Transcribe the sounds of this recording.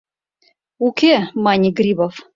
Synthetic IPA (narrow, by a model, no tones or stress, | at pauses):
ukʲemɑnʲiɡɾʲibof